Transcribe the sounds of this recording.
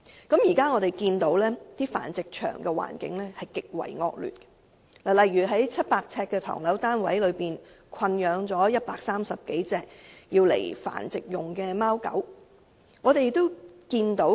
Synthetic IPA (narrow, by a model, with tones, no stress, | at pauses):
kɐ˨˥mjiː˨˩kaː˥ŋɔː˨˧ɾe˨jkiː˧nt̪o˨˥wlɛː˥t̪iː˥fa̰ː˨˩nt͡sɪ˨k̚t͡ʃʰœ̰ː˨˩ŋkɛː˧wa̰ː˨˩nkɪ̰˨˥ŋlɛː˥hɐ˨jkɪ˨k̚wɐ̰˨˩jŋɔː˧k̚ly̰ː˨˩t̚kɛ̥˧ | laː˨˩lɐ˨jɥyː˨˩ɦɐ˨˥jt͡sʰɐ˥t̚paː˧k̚t͡sʰɛː˧kːɛː˧t̪ʰɔ̰ː˨˩ŋlɐ˨˥wt̪aː˥nwɐ̰˨˥jlɵ˨˧ɥpiː˨n | kʷʰɐ˧njœː˨˧ŋt͡sɔː˨˥jɐ˥t̚paː˧k̚saː˥msɐ˨p̚ke˨˥jt͡sɛː˧k̚jiː˧wlḛ˨˩jfa̰ː˨˩nt͡sɪ˨k̚jʊ˨˩ŋkɛː˧maː˥wkɐ̰˨˥w | ŋɔː˨˧t̪e˨jt̪ːo˥wkiː˧nt̪o˨˥w